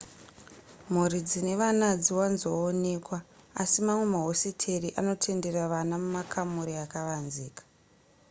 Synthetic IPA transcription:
m̤urid͡zine̞ʋanad͡ziwanzoːne̞kwaasimamwe̞maɦo̞sitʰe̞riʔano̞tʰe̞nde̞raʋanamumakʰamuɾiakaʋanziːkḁ

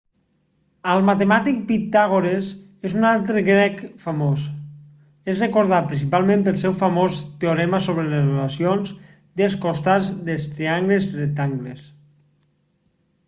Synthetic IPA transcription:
əlˠmat̪emat̪ik̚pit̪aɣoɾes | ezunalˠt̪ɾəɡɾɛkfəmos | ezrekoɾðapɾinsipalˠmẽmpəlˠsɛwfəmost̪eoɾɛməsoβɾelezrelasionz | d̪eskost̪ad͡zðest̪ɾeaŋɡlezret̪aŋɡles

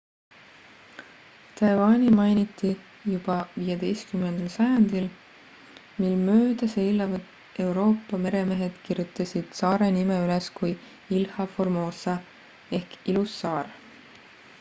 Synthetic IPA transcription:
t̪ɑjvɑːnʲimɑjnit̪ˑːi | jub̥ɑvijed̪̥e̞jst̪kymːend̪̥ɑlsɑjɑnd̪̥il | milmø̞ːd̪̥ɑse̞jlːɑvɑd̪ | e̞wɾo̞ːpːɑme̞ɾe̞me̞ɦe̞d̪̥kirjut̪ːˑɑsid̪̥sɑːɾe̞nimeyleskuj | ilhɑfo̞rmo̞ːsɑ | e̞hkilusːɑːr

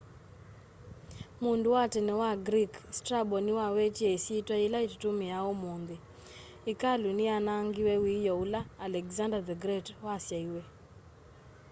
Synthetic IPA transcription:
mundʊwatɛnɛwaɡɾikstɾabɔnɪwawet͡ʃeesitwailaittumɪjaɔmond̪ɪ | ɪkalunɪanaŋɡɪwɛwijɔulaːlɛkzandad̪ɛɡɾɛtwasjaiwe

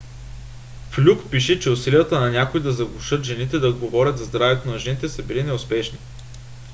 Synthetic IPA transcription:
flʲukpiʃɛt͡ʃɛʊsilijət̪ənɐnʲakoid̪ɐzɐɡlʊʃɤt̪ʒɛnit̪ɛd̪ɐod̪ɡovɔɾʲət̪zɐzd̪ɾavɛt̪onɐʒɛnit̪ɛsɐbilinɛʊspɛʃni

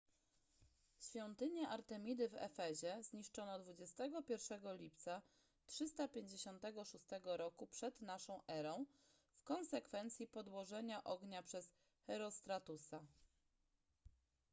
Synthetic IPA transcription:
ɕfʲjɔnt̪ɘɲaʔaɾt̪ɛmʲid̪ɘvɛ̰fɛʑɛzɲiʂt͡ʂɔnɔd̪vud͡ʑɛst̪ɛɡɔpʲjɛɾfʂɛɡɔlʲipt̪sa | tʂɘst̪apʲjeɲd͡ʑeɕɔnt̪ɛɡɔʂust̪ɛɡɔɾɔkupʂɛd̪naʂɔ̃w̃ʔɛɾɔ̃w̃ | fkɔ̃nsɛkfɛnt̪sʲjipɔd̪wɔʐɛɲaʔɔɡɲapʂɛs | xɛɾɔst̪ɾat̪usa

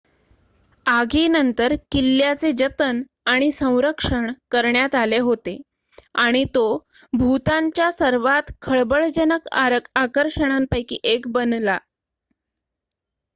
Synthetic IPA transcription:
aɡinənt̪əɾkilːjat͡sed͡ʑət̪ən | aɽ̃isə̃w̃ɾəkʂəɳkəɾɳjat̪aleɦot̪e | aɽ̃it̪o | bʱut̪aɲt͡ɕjasəɾʋat̪kʰəɭbəɭd͡ʑənəkakəɾʂəɽ̃ampajkḭːʔekbənla

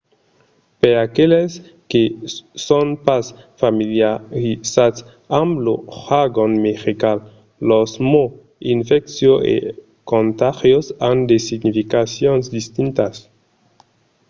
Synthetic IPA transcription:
peɾakeles | kesonpasfamiljaɾisats | ãmbloxaɡonmeʁikalː | osmo | infɛksjoʔḛ | kõnt̪axjosand̪esiɡnifikasjonzd̪ist̪int̪as

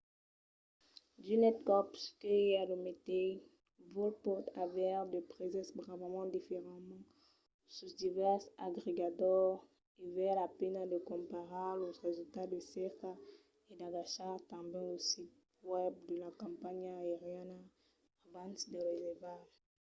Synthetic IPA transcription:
d̪ynɛt̪̚kɔpskəealomet̪e | vɔlpɔʁt̪ʰavɛʁd̪əpʁezɛ̃sbʁavamɑ̃d̪ifeʁãmɑ̃ | sud̪ivɛʁsaɡʁeɡad̪ɔʁ | ivɛlapɛnad̪əkɔ̃paʁablozʁezylt̪ad̪əsɛʁka | ed̪aɡaʃaʁt̪ɑ̃bjɛ̃osit̪̚ | wɛb̚d̪əlakɑ̃paɲaeʁjan | abãnsd̪əʁezɛvaʒ

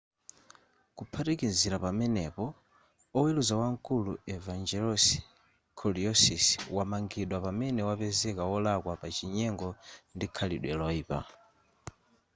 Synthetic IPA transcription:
kupʰatikinziɾapamɛnɛpɔ | ɔwɛluzawaŋkuluɛvand͡ʒɛlɔs | kʰɔliɔsiswamaŋɡiɗwapamɛnɛwapɛzɛkawɔlakwapat͡ʃiɲɛŋɡɔndikʰaliɗwɛlɔiːpa̰

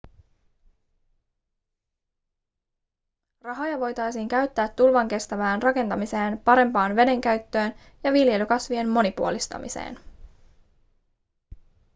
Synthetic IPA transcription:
rɑɦɑjɑʋo̞jt̪ɑjsiːŋkæɥt̪ːæːt̪ːulʋɑŋk̟e̞st̪æʋæːnrɑke̞nt̪ɑmise̞ːnpɑɾe̞mpɑːnʋe̞de̞ŋk̟æɥt̪ːø̞ːn | jɑʋilje̞lykɑsʋie̞mːo̞nipuo̞list̪ɑ̰mḭsḛːn

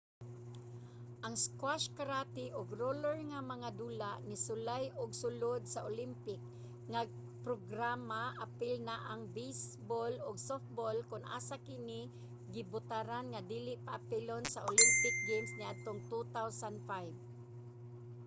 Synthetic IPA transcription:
ʔaŋskwaʃkaɾat̪ɪʔʊɡɾolɛɹŋamaŋad̪uːlaʔnɪsʊlajʔʊɡsʊlʊd̪̚saʔolimpɪk̚ | ŋaɡ̚ | pɾoɡɾamaʔapɪlnaʔaŋbejsbolʊɡsof̚bolkʊnʔa̰ːsakɪnɪ | ɡɪbʊt̪aɾanŋad̪iːlɪʔpaʔapɪlonsaʔolimpɪk̚ɡemsnɪad̪̚t̪oŋt̪ut̪awsand̪fajv

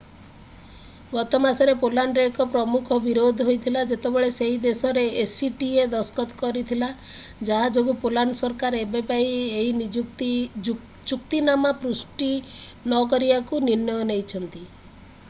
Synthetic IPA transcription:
ɡɔt̪ɔmasɔɾepolaɳɖɾekɔpɾɔmukʰɔbiɾod̪ʱɔɦojt̪ʰilad͡ʒet̪ebeɭeseɦid̪esɔɾeesiʈied̪ɔskɔt̪ɔkɔɾit̪ʰila | d͡ʒaɦad͡ʒoɡupolanɔsɔɾkaɾebepaieɦi | t͡ʃuk̚t̪inamapɾusʈi | nɔkɔɾibakuniɾnjɔɔnejt͡ʃʰɔnt̪i

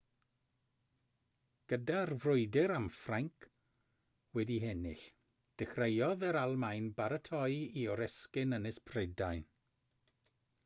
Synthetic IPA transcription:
ɡ̥ədarvrʊɨdɪɾamfraŋkʰ | wɛdiɦɛnɪ̰ɬ | d̥ɪxrejɔðəɾalˠmajnbaɾətʰɔjiɔɾɛskɪnənɪspʰredajn

